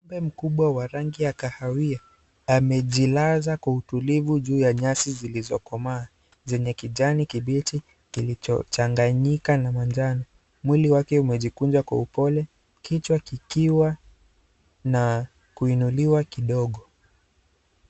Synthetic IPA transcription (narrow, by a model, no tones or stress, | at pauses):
mbɛm̩kuɓwawaɾaŋɡijakahawiaː | mɛʄilazakwautulivuʄuːjaɲasizilizɔkɔmaː | zɛɲɛkiʄanikiɓiti | kilit͡ʃɔ̰t͡ʃaŋɡaɲikanamand͡ʒanɔ | mwiliwakɛumɛʄikund͡ʒwakwaupɔlɛ | kit͡ʃwakikiwa | na | kuinuliwakiɗɔɠɔ